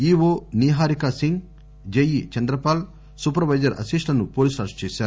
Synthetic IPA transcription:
iːʋoːniːɦaːɾikɐsiŋɡ | d͡ʒejit͡ʃɐnd̪ɾɐpaːl | supɐɾʋɐjd͡ʒɐɾʔɐ̰siʂʈlɐnupoːlisʈaːɾst͡ʃeːʃaːɾu

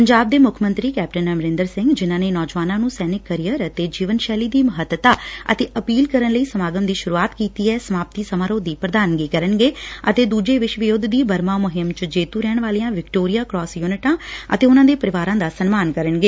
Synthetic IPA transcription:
pəɲd͡ʒaːb̚d̪eːmʊkʰmə̃nt̪ɾiːkɛːp̚ʈənəmɾɪ̃nd̪əɾsɪ̃ŋɡd͡ʒɪnãːneːnɔːd͡ʒʋaːnãːnũːsɛːnɪkːəɾijəɾət̪eːd͡ʒiːʋənʃɛːliːd̪iːməɦət̪ət̪aːə̰t̪eːʔəpiːlkəɾənləiːsəmaːɡəmd̪iːʃʊɾuːaːt̪kiːt̪iːɛːsəmaːp̚t̪iːsəmaːɾoːd̪iːpɾəd̪aːnɡiːkəɾənɡeːət̪eːd̪uːd͡ʒeːʋɪʃʋɪjʊd̪ʱd̪iːbəɾmaːmʊɦɪmt͡ʃəd͡ʒeːt̪uːɾɛːɳ̃ʋaːliãːʋɪkʈoːɾijaːkɾɔːsjuːnɪʈãːə̰t̪eːʊnãːd̪eːpəɾɪʋaːɾãːd̪aːsənmaːnkəɾəɳɡeː

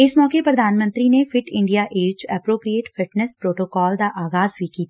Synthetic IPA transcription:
ɪsmɔːkepɾəd̪ʱaːnmə̃nt̪ɾinefʰɪʈɪ̃ɳɖijaʔeːd͡ʒɛːpɾoːpɾijeːʈfʰɪʈnɛspɾoːʈoːkɔːld̪aʔaːɣaːzʋikiːt̪aa

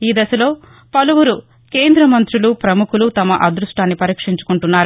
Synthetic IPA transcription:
iːd̪ɐsɐlo̞ː | pɐluwuɾu | ke̞ːnd̪ɾɐmɐnt̪ɾulupɾɐmukulut̪ɐmɐʔɐd̪ɾuʂʈaːnːipɐɾiːkʂiɲt͡ʃu̥kuɳʈunːaːɾu

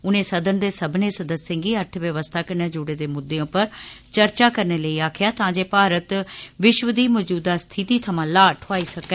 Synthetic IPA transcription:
ʊnẽːsəd̪ənd̪eːsəbneːsəd̪əssɪ̃ŋɡiːəɾt̪ʰʋjəʋəst̪ʰaːkəɾneːd͡ʒʊɽeːd̪eːmʊd̪ːeõːpəɾt͡ʃəɾt͡ʃaːkəɾneːləiːaːkʰjaːt̪ãːd͡ʒeːpaːɾət̪ʋɪʃʋəd̪iːmɔːd͡ʒuːd̪aːst̪ʰɪt̪iːt̪ʰəmãːlaːʈʰʊaːiːsəkɛː

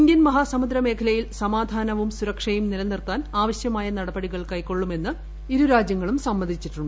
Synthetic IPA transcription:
iɲɡʲjɐnmɐɦaːsɐmud̪ɾɐme̞ːkʰɐlɐjilsɐmaːd̪ʱaːnɐʋumsuɾɐkʂɐjumnilɐnːirt̪ːaːnaːʋɐɕjɐmaːjɐnɐɽɐbɐɽiɣɐɭkɐjkːo̞ɭːume̞nːɨ | iɾuɾaːd͡ʑjɐŋːɐɭumsɐmːɐnd̪ʱit͡ɕːiʈːuɳɖɨ

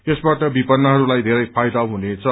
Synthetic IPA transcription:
esbaʈʌbipʌnːʌɦʌɾulajd̪ʱeɾʌjpʰajd̪aɦunet͡sʰʌ

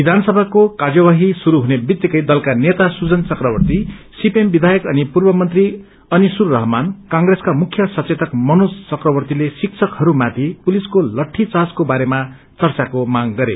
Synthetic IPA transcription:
bid̪ʱanʌsʌbʱakokad͡zʌwaɦisuɾuɦunebit̪jikʌjd̪ʌlkanet̪asud͡zʌnt͡sʌkrʌbʌrt̪isipembid̪ʱajʌkʌnipurbʌmʌnt̪ri | ʌnisurːʌɦʌmankaŋɡreskamukʰjʌsʌt͡set̪ʌkmʌnost͡sʌkrʌbʌrt̪ilesiksʰʌkhʌɾumat̪ʰipuliskolʌʈʰːit͡saskobaɾema | t͡sʌrt͡sakomaɡɡʌɾḛ

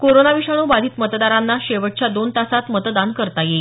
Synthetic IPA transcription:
koɾonaʋiʂaɽ̃ũːbad̪ʱiːt̪mət̪d̪aɾanːaɕeʋəʈ̚t͡ɕjad̪ont̪asat̪mət̪d̪ankəɾt̪aje

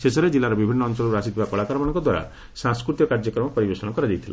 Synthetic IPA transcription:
sesɔɾed͡ʒilːaɾɔbibʱinːɔːnsɔlɔɾuasit̪ʰibakɔɭakaɾɔmɔɽ̃ɔ̃ŋkɔd̪waɾa̰ | sãŋskɾut̪ijɔkaɾd͡ʒɔkɾɔmɔpɔɾibesɔnɔkɔɾad͡ʒajt̪ʰila̰

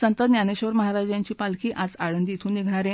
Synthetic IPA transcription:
sənt̪əd̪njaneɕəʋəɾməɦaɾad͡ʑjaɲt͡ɕiːpalkʰiːʔad͡zaɭənd̪iːt̪ʰuːneɡʱɳ̃aɾẽ

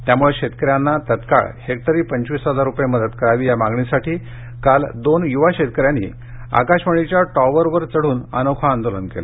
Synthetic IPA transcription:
t̪jamuɭeɕet̪̚kəɾjanːat̪ət̪ka̰ɭhekt̪əɾiːpəɲt͡ɕʋiːsɦəd͡zaɾːupjeməd̪ət̪kəɾaʋiːjamãŋɡɳisaʈʰiː | kald̪onjuʋaɕet̪̚kəɾjanːḭː | a̰kaɕməɳ̃it͡ɕjaʈɔʋəɾʋəɾt͡səɽ̤uːna̰nokʰaːnd̪olənkela̰

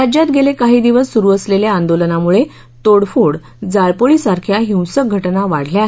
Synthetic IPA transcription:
ad͡ʑjat̪ɡelekaɦiːd̪iʋəsːuɾuːəsleljaand̪olənamuɭe | t̪oɽfuɽ | d͡zaɭpoɭiːsaɾkʰjaɦiwsək̚ɡʱəʈnaʋaɽ̤ljaɦ

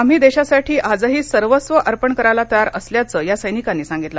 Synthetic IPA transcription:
am̤iːd̪eɕasaʈʰiːʔad͡zəɦiːsəɾʋəsʋəʔəɾpəɳkəɾajlat̪əjaɾəsljat͡səjasəjnikanːiːsãŋɡit̪la

